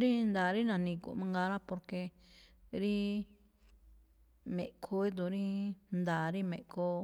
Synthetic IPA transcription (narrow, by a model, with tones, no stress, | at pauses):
ɾi˦nd̪a˨ɾi˦nã˨nĩ˧kṵ˨ʔmã˧ŋɡa˧ɾa˦po˧ɾke˧ | ɾi˦ | mḛ̃˨ʔkʰo˧˦i˦d̪u˧˨ɾi˦nd̪a˨ɾi˦mẽ˨ʔko˧˦